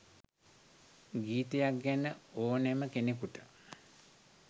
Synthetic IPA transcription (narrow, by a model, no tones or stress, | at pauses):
ɡiːt̪ejakɡænəoːneməkenekuʈə̥